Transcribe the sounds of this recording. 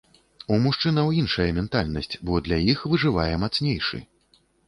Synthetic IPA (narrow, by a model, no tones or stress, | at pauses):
umuʂt͡ʂɨnɐwinʂɐjɛmʲɛnt̪alʲnɐsʲt͡sʲbɔd̪lʲajixvɨʐɨvajɛmat̪snʲejʂɨ̰